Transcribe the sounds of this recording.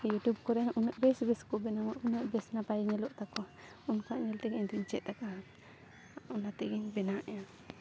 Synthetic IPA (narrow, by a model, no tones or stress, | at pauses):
jutjub̚kɔɾɛʔunəʔbɛsbɛskɔbɛnamaʔunəʔbɛsnapajɲɛlɔʔt̪akɔ | unkaʔɲɛlt̪ɛɡɲd̪uɲt͡ʃɛʔ̚t̪aka | unat̪ɛɡɛɲbɛnaʔɛja